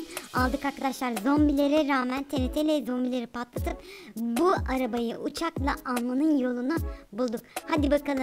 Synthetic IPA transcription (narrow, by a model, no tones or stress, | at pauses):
alˠd̪ɯkaɾkʰad̪aʃlˠaɾzombilʲe̞ɾɛɾaːmænt̪ʰe̞net̪ʰelʲɛzombilʲe̞ɾipʰat̪lˠat̪ʰɯpbuaɾabajɯʔut͡ʃʰaklˠaʔanmanɯnjo̞lˠunubulˠd̪ukhad̪ibakalˠɯ